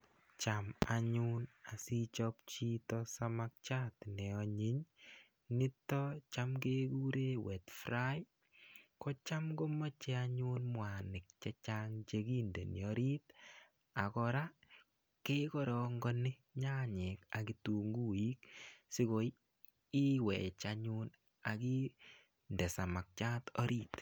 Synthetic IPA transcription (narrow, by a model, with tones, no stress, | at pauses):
t͡ʃa˨ma˨ɲu˦na˨si˦t͡ʃɔp̚t͡ʃi˦tɔsama˦k̚t͡ʃa˦tnɛ˨ɔ˨ɲi˦ɲ | ni˦tɔ˦t͡ʃa˦mke˦ku˦ɾe˦we˨tfɾa˦j | kɔ˦t͡ʃa˦mɡo˦mɔ˦t͡ʃe˦aɲu˦nmwa˨nɪ˨k̚t͡ʃɛ˦t͡ʃa˦ŋt͡ʃe˧ki˦nde˨njɔ˦ɾi˦t | a˨kɔɾa˦ | ke˦kɔ˦ɾɔ˨ŋɡɔ˦nɪ˦ | ɲa˦ɲe˨ka˨ki˨tu˨ŋɡu˦i˦ksɪ˦ko˨˦j | i˦wɛ̰˨t͡ʃa˧ɲu˦n | a˨ki˦ | ndɛ˨sa˨ma˨k̚t͡ʃa˦tɔ̰˦ɾʔi˦t